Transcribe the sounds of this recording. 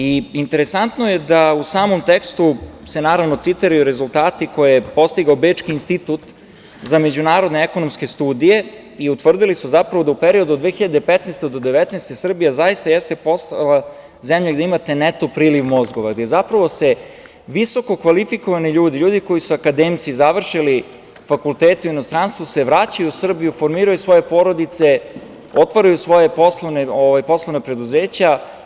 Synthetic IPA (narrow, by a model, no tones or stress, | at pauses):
iint̪eɾesant̪nojed̪ausaːmomt̪ekst̪use̞naːɾaʋno̞t̪sit̪iɾajuɾe̞zulˠt̪aːt̪iko̞jeepo̞st̪iɡaobeːt͡ʃkiːnst̪it̪ut̪ | zame̞d͡ʑunaːɾo̞d̪neekonomske̞st̪uːd̪ije̞ | iut̪ʋr̩d̪ilisuzapɾaʋo̞d̪aupeɾio̞d̪uod̪ʋeːxiʎad̪epet̪nɛst̪ed̪o̞d̪eʋet̪nest̪esr̩bijazajist̪ajest̪e̞po̞st̪a̰lˠa | zemʎaɡd̪eimat̪e̞net̪opɾiːliʋmozɡo̞ʋaɡd̪eezapɾaʋo̞se | ʋiso̞ko̞kʋalifiko̞ʋaniʎuːd̪iʎuːd̪iko̞jisuakad̪emt̪sizaʋr̩ʃili | fakulˠt̪eːt̪euinost̪ɾanst̪ʋuse̞ʋɾat͡ɕajusr̩bijufo̞ɾmiːɾajusʋo̞je̞po̞ɾo̞d̪it̪se | ot̪ʋaɾajusʋo̞jeposlˠoʋneoʋajpo̞slˠoʋnapɾe̞d̪uzeːt͡ɕa